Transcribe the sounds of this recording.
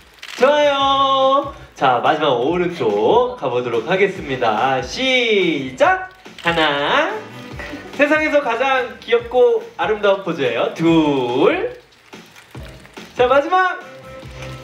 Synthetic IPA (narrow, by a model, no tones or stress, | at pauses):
t͡ɕoajo | t͡ɕamad͡ʑimaɡoɯɾɯnt͈okabodoɾok̚ʰaɡe̞s͈ɯmɲidaɕʰid͡ʑak̚ | hana | sʰe̞s̬ʰaŋe̞sʰʌkad͡ʑaŋkiʌp̚k͈oaɾɯmdak̚p͈ʰod͡ʑʌejotuɭ | t͡ɕamad͡ʑimak